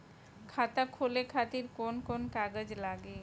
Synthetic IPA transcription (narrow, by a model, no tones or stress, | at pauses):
kʰat̪akʰolekʰat̪iɾkonkonkaɡəd͡ʑlaɡe